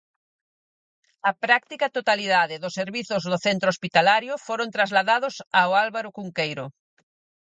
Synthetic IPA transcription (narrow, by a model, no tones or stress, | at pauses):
ɐpɾak̚t̪ikat̪ot̪aliðaðɪðʊseɾβiθozðoθent̪ɾospit̪alaɾjofoɾont̪ɾazlaðaðosaoalβaɾokuŋkejɾo̰